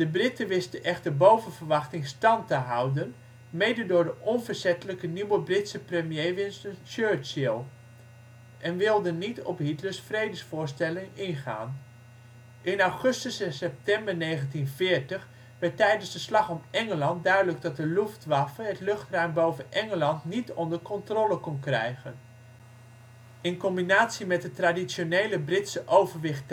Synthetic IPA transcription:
d̥əbrɪtəʋɪstəʔɛχtəɹbowvənvəɹʋɑχtɪŋstɑntəɦawdən | mejdədʊːɹdəʔɔnvəɹzɛtələkəniwəbrɪtsəprəmjejʋɪnstənt͡ʃøɹt͡ʃilˠ | ʔɛnʋɪlˠdənːitɔ̰pɦitləsfrejdəsfʊːɹstɛlɪŋɪnχa̰ːn | ʔɪnawχɵstəssɛp̚tɛmbəɹnejχəntinvɪːɹtəχ | ʋɛɹtːɛjdənzdəslɑχɔmʔɛŋəlɑnt̚dœɥdələɡ̚dɑt̚dəluftʋafəɦətlɵχtrœɥmbowvənʔɛŋəlɑntnitɔndəɹkɔntrɔləkɔnkrɛ̰jχən | ɪnkɔmbinaːtsimɛt̚dətradisonejləbrɪtsəʔowvəɹʋɪχt

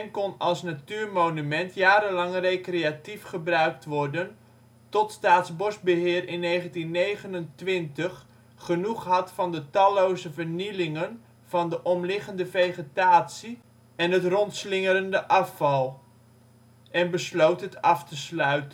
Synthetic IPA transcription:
nkɔnɑlˠsnatyːrmoːnymɛntjaːɾəlɑŋrejkrejatifχəbrœɥk̚tʋɔrdən | tɔtstaːtsbɔsbəɦɪːrɪnːeːχəntinːejχənəntʋɪntəχː | ənuχɦɑtfɑndətɑlowzəvərnilɪŋən | v̥ɑndəʔɔmlɪχəndəfejχətaːtsi | ɛnɦətrɔntslɪŋəɾəndəʔɑfɑlˠ | ʔɛnbəslowtɦətɑftəslœɥtən

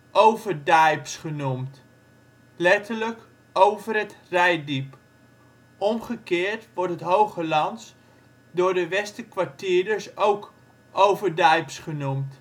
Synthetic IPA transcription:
ʔowvəɹdajpsχənumt | lɛtʰələk | owvərətrɛjdip | ʔɔmχəkɪːɹtʋɔɹtɦətɦowχəlɑns | dʊːɹdəʋɛstəkʋaɹtiːdəsowk | ʔowvəɹdɛjpsχənumt

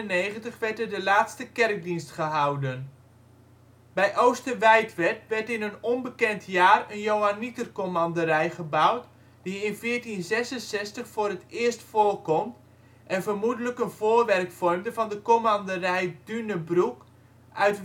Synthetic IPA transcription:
əneːχəntəχʋɛrtədəlaːtstəkɛrk̚dinstχəɦawdən | bɛjʔowstəʋɛjtʋɛrtʋɛrtɪnənɔnbəkɛntʰjaːrənjowanitərkomandəɾɛjχəbawt | diɪnfɪːtinzɛsənsɛstəχfʊːrətɪəstfoːlkɔmt | ʔɛnvərmudələkənv̥oːrʋɛrkfɔrmdəvɑndəkomandərɛjdynəbruk | ʔœɥt

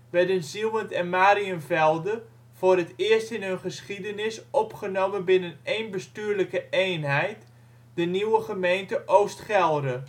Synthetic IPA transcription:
ʋɛɹdənzilˠməntɛnmaːɾiənvɛlˠdə | v̥ʊːrɦətɪərstɪnɦɵnχəsχidənɪsɔpχənoːmənbɪnənejnbəstyːɹləkəʔejnɦɛjt | d̥əniwəχəmejntəʔowstχɛlˠdə

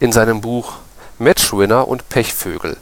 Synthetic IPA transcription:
ɪnzaɪnəmbuːx | mɛt͡ʃwɪnɐʔʊ̰ntpʰɛçfø̰ːɡl̩

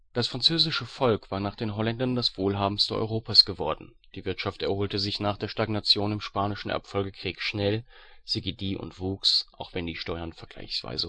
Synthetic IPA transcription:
d̥asfʁ̥ant͡søːzɪʃəfɔlkv̥aːɐnaːχd̥eːnɦɔlɛndɐndasv̥oːlɦaːbm̩stəʔɔ̰ʏʁoːpaːsɡ̥əvɔɐdn̩ | d̥iːvɪɐtʃaftɛɐhoːltəzɪçnaːχd̥eːɐʃtaɡnat͡sjoːnɪmʃpaːnɪʃn̩ɛ̰ɐfɔlɡəkʁ̥iːkʃnɛlz̥iɡidiːʔʊ̰ntv̥uːksʔaʊxv̥ɛndiːʃtɔʏɐnfɛɐɡ̥la̰ɪçsv̥a̰ɪzə

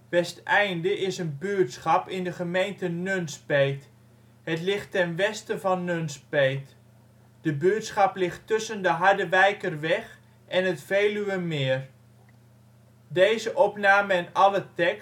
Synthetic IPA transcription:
ʋɛstʔɛjndəʔɪsənbyətsχɑpɪndəχəmejntənønspejt | hətlɪχtːɛnʋɛstəvɑnːønspejt | d̥əbyətsχɑplɪχtːɵsəndəɦɑɹdəʋɛjkərʋɛχ | ʔɛnətfeːlyʋəmɪər | dejzəʔɔpnaːməɛnɑlətɛk

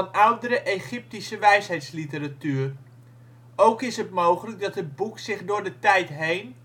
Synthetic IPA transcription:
nʌwdəɾəʔejχɪp̚tisəʋɛjsɦɛjtslitəɾatyːr | owkɪsɦətmowχələk̚dɑtɦəd̚buksɪχdʊːɹdətɛjtɦejn

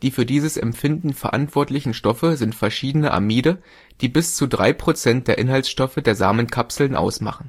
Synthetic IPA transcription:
d̥iːfyːɐdiːzəsɛ̰mpfɪndn̩fɛɐʔa̰ntv̥ɔɐtlɪçn̩ʃtɔfəzɪntfɛɐʃiːdənəʔa̰miːdə | d̥iːbɪst͡sudʁa̰ɪpʁ̥ot͡sɛnt̚d̥eːɐʔɪnɦalsʃtɔfədeːɐza̰ːmənkʰapsl̩nʔa̰ʊsma̰χn̩

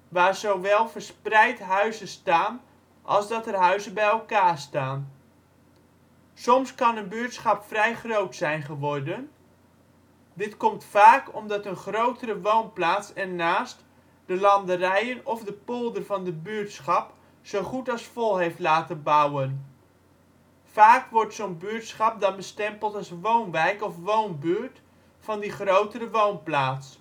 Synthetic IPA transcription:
ʋaːrzowʋɛlˠvərsprɛjtɦœɥzəstaːn | ʔɑ̰lˠzdɑtərɦœɥzəbɛjɛlˠkaːrstaːn | sɔmskɑnənbyːtsχɑpfrɛjχrowtsɛjnχəʋɔrdən | dɪtkɔmtfaːkɔmdɑtənχrowtərəʋownplaːtsɛnnːaːst | dəlɑndərɛjənɔvdəpolˠdərvɑndəbyːɹtsχɑp | sowχutɑlˠsfɔlˠɦejftlaːtənbawən | faːkʋɔɹtsownbyːɹtsχɑp̚dɑnbəstɛmpəlˠtɑlˠsʋownʋɛjkɔfʋownbyɹt | fɑndiχrowtərəʋownplaːts

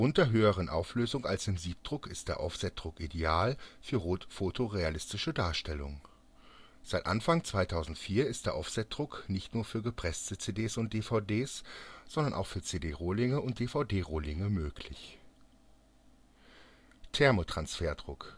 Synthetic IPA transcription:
ʔʊntɐɦøːəʁ̞ənʔa̰ʊfløːzʊŋa̰lsɪmziːp̚d̥ʁʊkɪst̚d̥eːɐʔɔ̰fsɛt̚d̥ʁʊkʔideaːlfyːɐʁoːtfoːtʰoʁealɪstɪʃədaːɐʃtɛlʊ̰ŋ | z̥aɪtʔa̰nfaŋt͡sv̥aɪtʰaʊzn̩tfiːɐɪstd̥eːɐʔɔfz̥ɛt̚d̥ʁʊknɪçtnuːɐfyːɐɡəpʁ̥ɛstət͡seːdeːsʊnt̚d̥eːfaʊdeːsz̥ɔndɐnʔaʊxfyːɐt͡seːdeːʁoːlɪŋəʊnt̚d̥eːfaʊdeːʁoːlɪŋəmøːkʰlɪ̰ç | tʰɛɐmotʁ̥ansfeːɐdʁʊk

